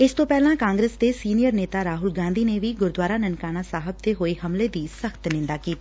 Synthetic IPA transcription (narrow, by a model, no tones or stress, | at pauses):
ɪst̪õːpɛːlãːkãːŋɡɾeːsd̪eːsiːnijəɾneːt̪aːɾaːɦʊlɡãːnd̪iːneʋiːɡʊɾd̪waːɾaːnənkaːnaːsaːɦəb̚d̪eːɦoːihəmleːd̪iːsəxt̪nɪ̃nd̪aːkiːt̪aː